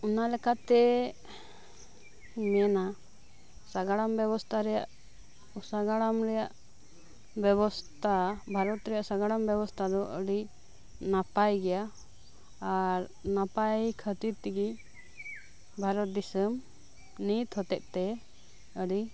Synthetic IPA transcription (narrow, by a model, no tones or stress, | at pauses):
ɔnalɛkat̪ɛ | mɛna | saɡaɽambɛβɔst̪ʰaɾɛjaʔ | usaɡaɽamɾɛjaʔ | bɛβɔst̪ʰabʱaɾɔt̪ɾɛjaʔsaɡaɽambɛbɔst̪ʰad̪ɔʔəɽi | napajɡɛjaː | ɾ | napajkʰət̪iɾt̪iɡi | bʱaɾɔt̪̚d̪isəm | nit̪hɔt̪ɛʔ̚ˀt̪ɛ | əɖi